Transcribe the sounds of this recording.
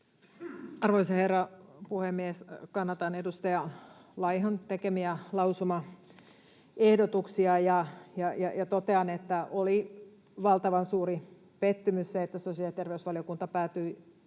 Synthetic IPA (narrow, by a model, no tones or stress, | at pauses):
ɑrʋoisɑherːɑpuhemːieskɑnːɑt̪ɑnedust̪ɑjɑlɑiɦɑnt̪ekemiælɑusumɑ | ehdot̪uksiɑjɑjɑjɑjɑt̪ot̪eɑnet̪ːæoli | ʋɑlt̪ɑʋɑnsuːɾi | pet̪ːymysseet̪ːæsosiɑt̪erʋeysʋɑliokunt̪ɑpæːt̪yi